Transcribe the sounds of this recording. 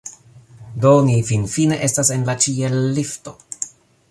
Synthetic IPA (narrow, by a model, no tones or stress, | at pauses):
donifinfine̞ʔe̞stase̞nlat͡ʃielːifto̞